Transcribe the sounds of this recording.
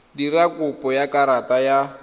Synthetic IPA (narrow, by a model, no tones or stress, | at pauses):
dirakʼʊpʼɔjakʼaɾatʼaja